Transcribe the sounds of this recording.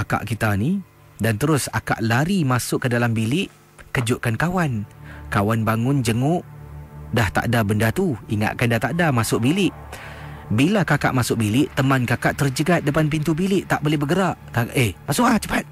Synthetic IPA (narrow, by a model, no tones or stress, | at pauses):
aka̰ʔkit̪ani | dant̪əɾʊsa̰ka̰ʔlaɾimasʊʔkːədalambilɪʔ | kəd͡ʒʊʔkankawankawanbaŋʊnd͡ʒəŋʊʔdaht̪a̰ʔdabəndat̪uiŋa̰ʔkandaht̪aʔdamasʊʔ̚bilɪʔ | bilakaka̰ʔmasʊk̚bilɪʔt̪əmankakaʔt̪ərd͡ʒəɡat̪̚dəpanp̬int̪ubilɪʔt̪aʔbolɛhbəɡəɾaʔkaʔehmasʊʔat͡ʃə̥pat̪̚